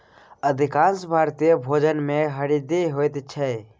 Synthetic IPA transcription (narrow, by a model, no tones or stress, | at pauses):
əd̪ʱɪkãːnsbʱaːɾt̪ijəbʱoːd͡ʒənmẽɦəɽid̪iɦoːjt̪t͡ʃʰɛe